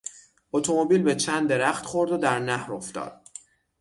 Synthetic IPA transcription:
ot̪ʰo̞mo̞biːlbe̞t͡ʃʰænd̪ːe̞ɾæχt̪χoɾd̪od̪æɾnæhɾoft̪ɒ̰ːd̪̥

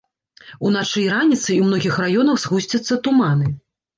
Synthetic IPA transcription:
unat͡ʂɨjranʲit̪sɨumnɔɣʲixrajɔnɐxzɣusʲt͡sʲɐt̪sːɐt̪uman̪ɨ

